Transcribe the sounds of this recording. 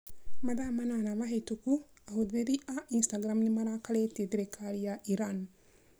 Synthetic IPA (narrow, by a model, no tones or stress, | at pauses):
mad̪aːmananaʋaɦet̪uku | aɦud̪eɾiʔaʔinst̪aɡɾamnimaɾaːkaleːt̪id̪ɾekʰaːlijaʔiɾan